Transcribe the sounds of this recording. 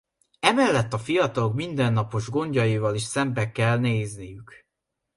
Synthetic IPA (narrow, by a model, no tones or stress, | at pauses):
ɛmɛlːɛt̪ːɒfijɒt̪ɒlo̞kmind̪ɛnːɒpo̞ʒɡo̞ɲɟɒjivɒliʃsɛmbɛkɛlneːznijyk